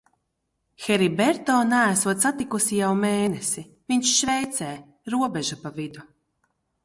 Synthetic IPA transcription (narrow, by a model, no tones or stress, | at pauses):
xɛɾibɛɾt̪ɔːnaæsuɔt̪sat̪ikusijawmeːnesi | viɲʃʃvɛjt̪sɛː | ɾuɔbeʒapavid̪u